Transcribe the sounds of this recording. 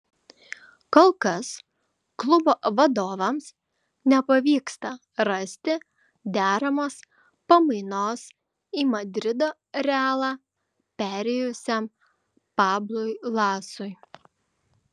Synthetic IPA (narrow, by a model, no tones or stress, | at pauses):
koːlˠkɐs | klˠʊboːʋɐd̪oːʋɐms | nʲɛpɐʋʲiːkst̪ɐ | ɾɐsʲt̪ʲɪ | d̪ʲæːɾɐmoːs | pɐmɐɪnoːs | iːmɐd̪ʲɾʲɪd̪oː | ɾʲɛɑːlˠɑː | pʲæːɾʲɛjʊsʲɛm | pɑːblˠʊɪlˠɑːsʊɪ